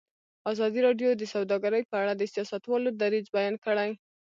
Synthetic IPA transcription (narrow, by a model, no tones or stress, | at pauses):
ɑzɑd̪iɾɑɖjod̪əsawd̪ɑɡaɾəjpəaɽad̪əsijɑsat̪wɑlod̪aɾizbajɑnkəɽaj